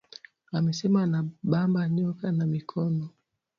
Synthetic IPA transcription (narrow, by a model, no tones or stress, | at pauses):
amɛsɛmanaɓambaɲɔkanamikʰɔnɔ